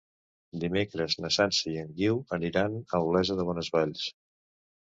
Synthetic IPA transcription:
d̪imekɾəznəsansəiəŋɡiwəniɾanəlβlɛzəðəβ̞ɔnəzβaʎs

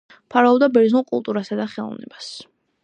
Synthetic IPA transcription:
pʰaɾaɔbd̪abɛɾd̪znulˠkʼṵlˠt̪ʼuɾasad̪aχɛlˠɔ̰vnɛ̰bas

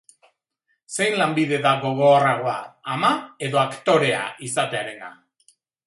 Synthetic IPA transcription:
se̞jnlambið̞e̞ðaɣo̞ɣo̞araɣ̞o̞aːmae̞ðo̞akt̪o̞ɾe̞a̰isat̪e̞aɾe̞na̰

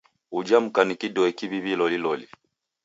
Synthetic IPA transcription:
ud͡ʒam̩kanikidɔɛkiβiβilɔlilɔli

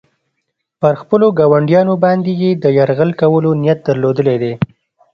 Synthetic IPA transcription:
pəɾxpəloɡɑwaɳɖjɑnobɑnd̪ejed̪əjaɾɣəlkawəlonijat̪̚d̪əɾlod̪əled̪e

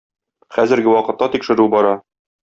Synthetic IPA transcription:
χæzɘ̆ɾɡɘwɒqɤ̆t̪ːɑt̪ikʃɘ̆ɾʉbɒɾɑ

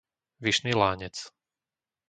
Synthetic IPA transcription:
ʋiʃniːlaːɲɛt͡s

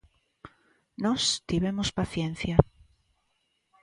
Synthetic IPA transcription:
nɔst̪iβemospaθjẽn̟θja

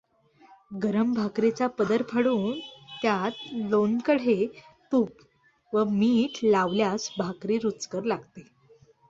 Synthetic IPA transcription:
ɡəɾəmbʱakɾet͡sapəd̪əɾpʰəɽuːnt̪jat̪lonkəɽ̤et̪uːp | ʋəmiːʈlaʋljasbʱakɾiːɾut͡skəɾlaɡt̪e

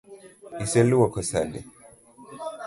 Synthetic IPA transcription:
isɛluwakʰɔsa̰lɛ̰

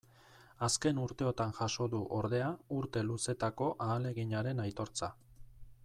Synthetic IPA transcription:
aske̞nuɾt̪e̞o̞t̪anʝaʃo̞ðuʔo̞ɾðe̞auɾt̪e̞luse̞t̪ako̞ʔaːle̞ɣiɲaɾe̞najt̪o̞ɾt͡sa

